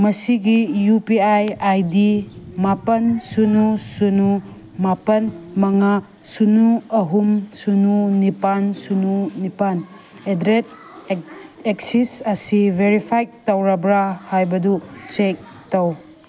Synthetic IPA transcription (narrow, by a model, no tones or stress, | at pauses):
mɐsiɡijupiajajdimapɐnsunusunu | mapɐnmɐŋa | sunuɐɦumsununipansununipan | edɾet̚ | eksisɐsivʱeɾipʰajk̚tawɾabɾahajbɐdut͡ʃek̚ | tɐw